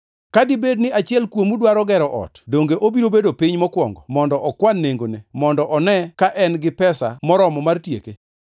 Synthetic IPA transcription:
kadɪbednɪʔat͡ʃɪɛlkwomudwaɾɔɡɛɾɔʔɔ̰tdoŋɡeʔobiɾobedopɪɲmɔkwɔŋɡɔ̰mɔndɔʔɔkwanːeŋɡonemɔndɔʔɔnɛkaʔɛnɡɪpɛsa̰mɔɾɔmɔmartjḛke

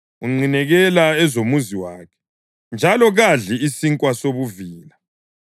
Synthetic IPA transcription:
uŋ͡ǀinɛɣɛlaɛzomuziwaːkʰɛ̥ | nd͡ʒʱalɔɣaɮiisiŋkʼwasoβuviːla

